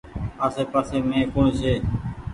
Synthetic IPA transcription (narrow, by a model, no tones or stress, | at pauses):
aːseːpaːseːmẽːkõːɳseː